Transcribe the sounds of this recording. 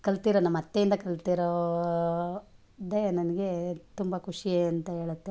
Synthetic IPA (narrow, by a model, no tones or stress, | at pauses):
kɐlt̪iɾonɐmːɐt̪ːejind̪ɐkɐlt̪iɾo | d̪enɐnɐɡe̞t̪umbɐkʰuʂieɐnt̪ɐɦeːɭut̪ːe